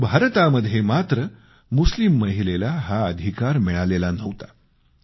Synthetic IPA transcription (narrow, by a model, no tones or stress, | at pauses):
bʱaɾt̪aməd̪ʱːjemat̪ɾə | muslimːəɦilelaɦaəd̪ʱikaɾmiɭalelanəʋt̪ḁ